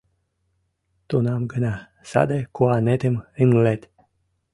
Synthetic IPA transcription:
t̪unamɡəna | sa̰d̪ekuanet̪emɨŋlet̪ʲ

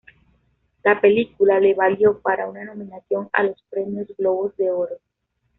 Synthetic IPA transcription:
lape̞likulale̞βaljo̞paɾaunano̞mĩnaθjo̞ŋa̰lo̞spɾemjo̞zɡlo̞βozðe̞oɾo

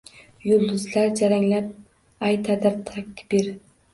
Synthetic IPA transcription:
jʊlˠd̪ʊzlaɾd͡ʒaɾaŋlap̚ | ajt̪ʰad̪aɾt̪ʰak̚ʲkbiɾ

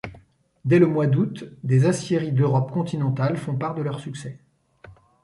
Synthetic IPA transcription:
d̪ɛləmwad̪ut̪d̪ezasjeʁid̪øʁɔpkɔ̃t̪inɑ̃t̪alfɔ̃paʁd̪əlœʁsyksɛ

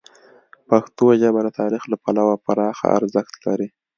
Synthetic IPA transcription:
paxt̪oʒabad̪ət̪ʰɑɾixlapalawapaɾɑxa̰a̰ɾzəxt̪laɾi

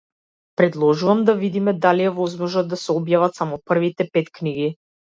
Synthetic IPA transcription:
pɾɛd̪lˠɔʒuvamd̪avid̪imɛd̪aliɛvɔzmɔʒad̪d̪asɛɔbjavat̪samɔpr̩vit̪ɛpɛt̪kniɡi

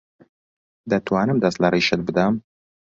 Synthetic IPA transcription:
d̪ɐt̪ʰwaːnɨmd̪ɐst̪lɐriːʃɨt̪̚bɨd̪ɐm

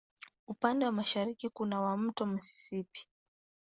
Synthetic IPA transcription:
upandɛwamaʃaɾikikunawam̩tɔm̩si̥sipi̥

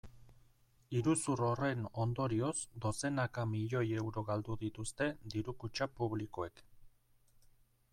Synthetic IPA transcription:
iɾusuro̞re̞no̞nd̪o̞ɾio̞sd̪o̞se̞nakamiʎo̞je̞wɾo̞ɣald̪uðit̪ust̪e̞d̪iɾukut͡ʃapuβ̞likoe̞k

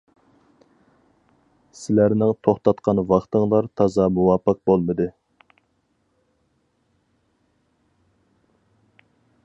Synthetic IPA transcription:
sɪlæɾnɪŋt̪ʰoχt̪ɑt̪qʰɑnvɑχt̪ɨŋlˠɑɾt̪ʰɑzɑmuwɑpɑq̚bolˠmɨd̪ɨ

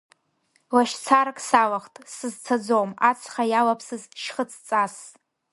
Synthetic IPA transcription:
laʃt͡sʰaɾkʼsalaχtʼsɨzt͡sʰad͡zomat͡sʰχajalapʰsɨzʃχət͡sʰt͡sʼas

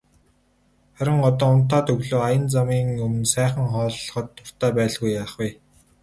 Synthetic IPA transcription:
χæɾʲɪ̆ŋɔt̪ɔːʊn̥t̪aːt̪ʰɵɣɮoːajə̆nt͡samiːŋɵmɵ̆nsæːχə̆ŋχɔːɮχɞ̆t̪ːʊr̥t̪æːpæːɮɣujaːχwiː

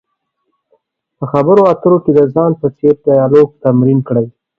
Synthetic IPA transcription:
pəxabəɾoat̪əɾoked̪əzɑnpət͡seɾd̪ajɑloɡ̚t̪amɾinkɽəj

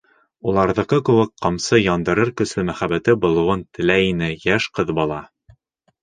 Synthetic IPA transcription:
ulˠɑɾðɤ̆qɤkʉ̆wɘk̚qɑmsɤjɑnd̪ɤ̆ɾɤɾkɵ̆slɘmæχæbæt̪ɘbŏlˠɤ̆wɤnt̪ɘ̆læinɘjæʃqɤðbɑlˠɑ

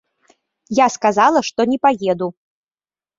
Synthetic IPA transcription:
jaskazalˠɐʂt̪ɔnʲɛpajɛd̪u

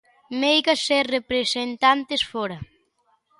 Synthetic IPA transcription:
mejɣɐserepɾesent̪ant̪esfɔɾɐ

